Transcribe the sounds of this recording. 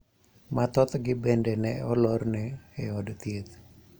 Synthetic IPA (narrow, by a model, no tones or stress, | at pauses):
mat̪ɔt̪ɡɪbɛndɛnɛɔlɔrnɛːɔdt̪iet̪